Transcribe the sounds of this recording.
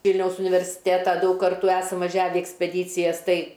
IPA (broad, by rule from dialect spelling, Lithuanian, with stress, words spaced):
ˈʋʲiːlʲnʲɛʊs ʊnʲɪʋʲɛrʲsʲˈɪtʲeːtɐ ˈdɐʊk ˈkɐrtuː ˈæːsɐm ʋɐˈʒʲæːʋʲɛ ɪ ɛksʲpʲɛˈdʲiːt͡sʲɪjɛs ˈtɐɪ